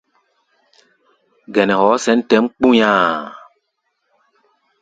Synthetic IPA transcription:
ɡɛ˨nɛ˨hɔː˨˦sɛ˨˦n˦tɛ˦mk͡pũ˦ɲãː˦˨

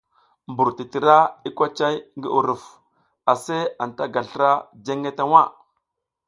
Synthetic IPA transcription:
mbu˨ɾti˨ti˨ɾa˦i˦kʷa˦t͡ʃa˦jŋɡi˦ʔu˨ɾu˨f | a˨se˦a˨n˨ta˦ɡa˨ɬɾa˦d͡ʒe˦ŋe˦ta˦wa˦˨

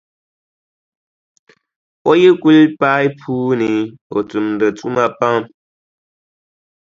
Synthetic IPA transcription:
pɔ˦ji˦kwi˦lpa˦jpʰuː˦ni˨o̰˨t͡su˨mn˨də˨t͡su˦ma˦pa˦m

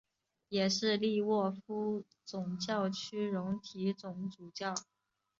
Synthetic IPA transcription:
jɛ˨˩ʂɻ̩˥˧li˥˧wɔ˥˩fu˥ | t͡sʊ˨˩ŋt͡ɕjɑ˥˩ʊt͡ɕʰy˥ɻʊ˧˥ŋt̪ʰi˧˥t͡sʊ˨˧˩ŋt͡su˨˩t͡ɕjɑ˥˩ʊ

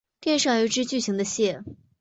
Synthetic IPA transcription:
pjɛ˥˧nʂɑ˥˩ŋy˧˥ʈ͡ʂɻ̩˥t͡ɕy˥˩ɕi˧˥ŋd̪ə˧ɕjɛ˥˩

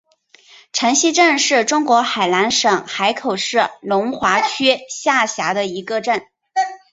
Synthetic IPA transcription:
ʈ͡ʂʰə˧˥ŋɕi˥ʈ͡ʂə˥˧nʂɻ̩˥˩ʈ͡ʂʊ˥ŋkwɔ˧˥xa˨˩ɪla˧˥nʂɤ˨˩ŋxa˧˥ɪkʰo˨˩ʊʂɻ̩˥˩lʊ˧˥ŋxwa˧˥t͡ɕʰy˥ɕja˥˩ɕja˧˥d̪ə˧i˧˥ɡə˧ʈ͡ʂə˥˩n

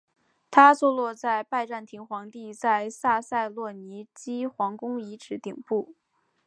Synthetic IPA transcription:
t̪ʰa˥t͡swɔ˥˧lwɔ˥˧t͡sa˥˧ɪpa˥˧ɪʈ͡ʂa˥˩nt̪ʰi˧˥ŋxwɑ˧˥ŋt̪i˥˧t͡sa˥˧ɪsa˥˧sa˥˧ɪlwɔ˥˩ni˧˥t͡ɕi˥xwɑ˧˥ŋkʊ˥ŋi˧˥ʈ͡ʂʰɻ̩˧˥t̪i˨˩ŋpu˥˩

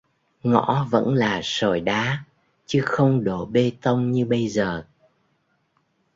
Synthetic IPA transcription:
ŋɔ̰˧˥və̰˧˥nlaː˨˩so˧˩jɗaː˨˦ | t͡ɕɨ˨˦xə˧wŋ͡mɗo˧˩ɓe˧t̪ə˧wŋ͡mɲɨ˧ɓə˧jzəː˨˩

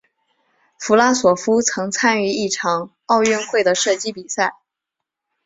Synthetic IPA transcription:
fu˧˥la˥swɔ˨˩fu˥t͡sʰɤ˧˥ŋt͡sʰa˥ny˧˥i˥˩ʈ͡ʂʰɑ˨˩˦ŋ | ɑ˥˧ʊɥɛ˥˧nxwe˥˩ɪd̪ə˩ʂɤ˥˩t͡ɕi˥pi˨˩sa˥˩ɪ

